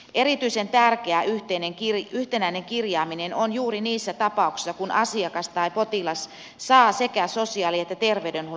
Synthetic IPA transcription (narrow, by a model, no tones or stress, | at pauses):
ʔe̞ɾit̪yise̞nt̪ærk̟eæʔyht̪eineŋkiryht̪enæineŋkirjɑːminenonjuːɾiniːsːæt̪ɑpɑˑuksi̥sːɑkunʔɑsiɑkɑst̪ɑjpo̞t̪ilɑs | sɑːse̞kæso̞siɑːliet̪ːæt̪e̞rʋeydenhu